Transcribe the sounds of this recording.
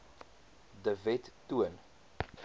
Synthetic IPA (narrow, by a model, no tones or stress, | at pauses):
dəvɛtːuən